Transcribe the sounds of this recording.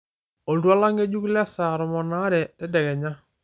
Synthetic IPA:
o˨ldu˦a˦la˦ŋɡe˦ɟu˦klɛ˦sa˨ɾɔ˨mɔ˨na˦ɾɛ˨tɛ˦dɛ˨kɛ˨ɲa˦

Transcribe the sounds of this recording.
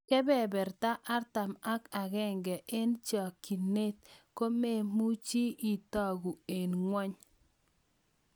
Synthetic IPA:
kɛ˦bɛ˨bɛ˨ɾta˦ʔa˦rta˨ma˦ka˨ɡɛ˦ŋɡɛ˨ʔɪ˦nt͡ʃa˨ki˨ne˦t̚ko˦me˦˨mu˦t͡ʃi˦i˨ta˦ɡu˨e˨nŋwɔ˦ɲ

